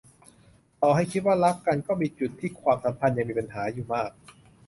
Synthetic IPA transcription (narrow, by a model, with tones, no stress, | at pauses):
t̪ɔː˨˩ha˥˩jkʰi˦t̪̚waː˥˩ɾa˦˥kkːa˧nkɔː˥˩miː˧t͡ɕu˨˩t̪ʰːiː˥˩kʰwaː˧msa˩˦mpʰa˧nja˨ŋmiː˧pa˧nɦaː˩˦juː˨˩maː˥˩k̚